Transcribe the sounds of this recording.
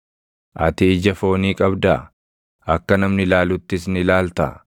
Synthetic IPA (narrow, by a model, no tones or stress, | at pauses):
ʔɐt̪ɪːd͡ʒɐfo̞ːniːkʼɐbd̪ɐ | ɐkːɐnɐmnɪlaːlʊt̪ːɪsnɪlaːlt̪ɐ̰